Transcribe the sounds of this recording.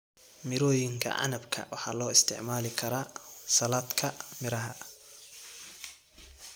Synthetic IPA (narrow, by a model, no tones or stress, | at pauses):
mɪɾɔːjɪŋkʰɐ̰ʔɑ̰nɐbkʰɐ̰wɑħɑ̰ːlɔːɪst̪ʰɪ̰ʕmaːlɪkʰɐɾaːsɐlaːd̪kʰɐmɪɾɐɦɐ